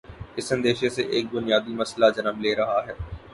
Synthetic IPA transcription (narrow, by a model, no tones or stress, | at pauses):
ɪsɐ̃nd̪eːʃeseʔeːk̚bʊnijaːd̪imɐslad͡ʒɐnəmleːɾɐɦaɦɛː